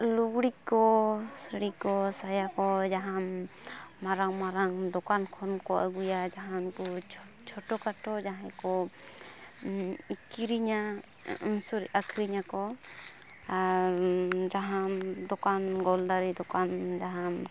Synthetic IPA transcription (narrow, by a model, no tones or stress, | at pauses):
luɡɽikɔsəɽikɔsajakɔd͡ʒaɦam | maɾaŋmaɾaŋd̪ɔkankʰɔnkɔʔa̰ɡujad͡ʒaɦankɔt͡ʃ | t͡ʃʰɔʈɔkaʈɔd͡ʒaɦãkɔ | kiɾiɲa | nsɔɾiʔakʰɾiɲakɔ | aɾd͡ʒaɦamd̪ɔkanɡɔld̪aɾid̪ɔkand͡ʒaɦam